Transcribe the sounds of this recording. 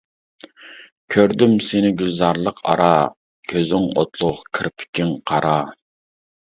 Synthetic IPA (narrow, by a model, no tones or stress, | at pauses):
kʲʰøɾd̪ymsenɪɡʲylzɑɾlˠəqʰɑ̰ɾɑ | kʲʰøzɪŋo̰t̪lˠʊʁkʰɪɾpʰɪ̥kʲiŋqʰɑɾɑ